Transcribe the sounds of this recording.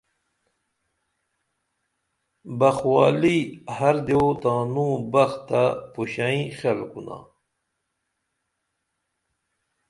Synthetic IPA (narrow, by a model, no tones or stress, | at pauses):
bɐxwaːlihɐɾd̪eot̪aːnũbɐxt̪apuɕaĩxelkuna̰